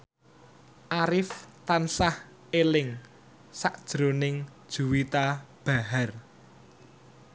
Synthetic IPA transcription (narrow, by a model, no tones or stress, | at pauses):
ʔaɾɪft̪ansah | elɪŋ | saʔd̥ʒ̥ɾo̤nɪŋd̥ʒ̥uwit̪ab̥a̤ɦar